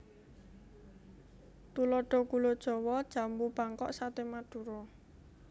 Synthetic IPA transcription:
t̪ulɔɖ̥ɔ̤kulod̥ʒ̥ɔ̤wɔd̥ʒ̥a̤mbub̥aŋkɔʔsat̪emaɖ̥ṳɾɔ

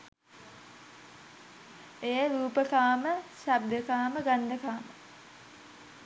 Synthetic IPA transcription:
ejəɾuːpəkaːməsab̚d̪əkaːməɡand̪əkaːmə

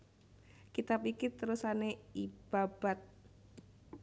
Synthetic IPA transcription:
kit̪apikit̪əɾusaneib̥ab̥at̪̚

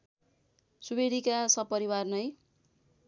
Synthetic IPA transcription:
subeɽikasʌb̚pːʌɾiwarnʌj

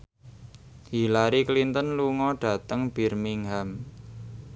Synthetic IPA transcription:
hilaɾiklint̪ənluŋɔɖ̥a̤t̪əŋb̥i̤rmiŋɦam

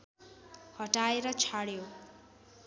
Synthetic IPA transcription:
hʌʈaeɾʌt͡sʰaɽjo

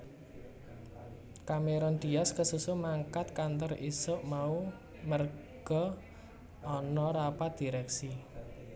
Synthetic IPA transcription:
kameɾɔnd̪̥i̤askəsusʊmaŋkat̪kant̪ɔrisʊʔmau | mərɡ̥ɔ̤ | ɔnɔɾapat̪̚d̪̥i̤ɾɛksi

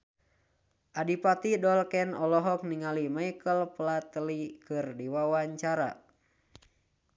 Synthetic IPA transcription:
ʔadipat̪idɔlkɛnɔlɔɦɔk̚niŋalimajkəlplat̪əlikɨrdiwawaɲt͡ʃaɾa̰

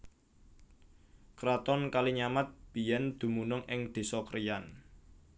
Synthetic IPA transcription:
kɾat̪ɔnkaliɲamat̪̚b̥i̤jɛnd̪̥ṳmunʊŋʔɪŋd̪̥e̤sɔkəɾijan

